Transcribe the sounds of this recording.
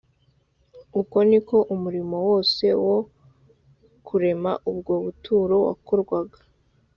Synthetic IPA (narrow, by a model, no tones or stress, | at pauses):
uko̞niko̞ʔumuɾimo̞wo̞ːse̞wo | kʰuɾe̞ma̰ʔub̚ɡo̞βutʰuːɾo̞wa̰ko̞ɾɡwaɡa